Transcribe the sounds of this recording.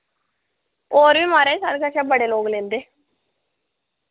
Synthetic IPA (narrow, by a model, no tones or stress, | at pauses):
oːɾʋiːmaːɾeːsa̰ːɾkəʃaːbəɽeːloːɡlẽːnd̪eː